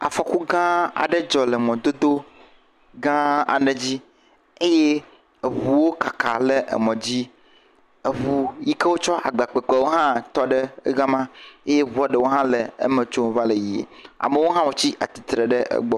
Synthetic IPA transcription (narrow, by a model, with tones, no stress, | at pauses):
a̰˨fɔ˨ku˦ɡã˦a̰˨ɖɛ˦d͡ʒɔ˨lɛ˨mɔ̃˨d̪o˦d̪o˦ | ɡã˦a̰˨ne˨d͡ʑi˦ | e˦je˦˨ | βu˨wo˦ka˨ka̰˨le˦ʔḛ˨mɔ̃˨d͡ʑi˦ | e˨βu˨ji˦ke˦wo˦t͡ʃɔ˦ʔa˨ɡ͡ba˨k͡pɛ˨k͡pɛ˨˦wo˦ɦã˦t̪ɔ˦ɖɛ̰˦ɡã˦mã˦e˦je˦βu˨a˨ɖɛ˦wo˦ɦã˦lɛ˨ḛ˦mɛ̃˨t͡ʃo˦m˦va˦le˨ji˨ḛ˨a̰˨me˦wo˦ɦã˦wo˦t͡ɕi˦ʔa˨t̪i̥˨t̪ɾe˨ɖɛ˦ʔɛ̰˦ɡ͡bɔ˦